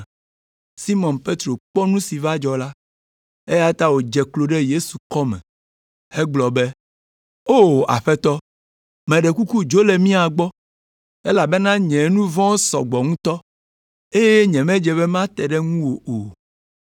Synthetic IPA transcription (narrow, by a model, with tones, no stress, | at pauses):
si˦mɔ̃˨npe˦t̪ɾo˨k͡pɔ˦nũ˦si˨va˦d͡ʒɔ˨la˦ | e˦ja˦t̪a˦wo˨d͡ʒɛ˨klo˨ɖe˦je˦su˨kɔ˦mɛ̰̃˨ | e˦ɡ͡blɔ˨be˦ | o˦˨a̰˨ɸɛ˦t̪ɔ˦ | mɛ̃˨ɖe˨ku˦ku˦d͡ʒo˦le˨mĩ˦a˨ɡ͡bɔ˦ | e˦la˨be˦nã˦ɲɛ̃˨˦nũ˦vɔ̃˦sɔ̰˨ɡ͡bɔ˨ŋũ˦t̪ɔ˦ | e˦je˦ɲɛ̃˨mɛ̃˦d͡ʒɛ˨βe˦mã˦t̪ɛ˨ɖe˦ŋũ˦wo˨o˨